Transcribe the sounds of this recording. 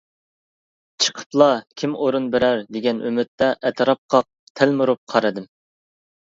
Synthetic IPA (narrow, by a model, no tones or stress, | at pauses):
t͡ʃʰə̥qʰə̥plˠɑkʲʰimoɾunbɪɾæɾd̪eɡʲɛnymɪt̪ːɛʔɛt̪ʰɾɑp̚qʰɑq̚ | t̪ʰælmuɾup̚qʰɑɾɨd̪ɨm